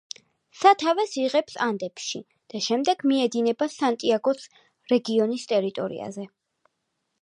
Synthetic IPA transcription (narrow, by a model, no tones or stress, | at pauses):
sat̪ʰavɛsiʁɛpsand̪ɛpʃḭ | d̪̥aʃɛmd̪ɛɡ̥miɛd̪inɛbasant̪ʼiaɡɔs | ɾɛɡiɔnist̪ʼɛɾit̪ʼɔɾḭa̰zɛ